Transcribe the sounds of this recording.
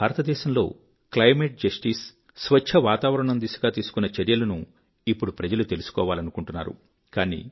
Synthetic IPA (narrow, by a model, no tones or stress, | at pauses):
bʱaːɾɐt̪ɐd̪ɛːʃɐmlo̞̰ː | klɐjmeʈ̚d͡ʒɐsʈisː | ʋɐt͡ʃʰɐʋaːt̪aːʋɐɾɐɳɐnd̪iːsɐɡaːt̪iːsu̥kunːɐt͡ʃɐɾjɐlɐnu | ipːuɽupɾɐd͡ʒɐlut̪e̞lusu̥kɔːʋaːlɐnukuɳʈunːa̰ːɾṵ | kaːnḭ